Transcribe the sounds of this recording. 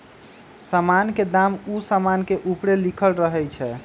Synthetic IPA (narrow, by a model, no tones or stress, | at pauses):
səmanked̪amusəmankeʔupɾelikʰəlɾəɦɛjt͡ʃʰɛ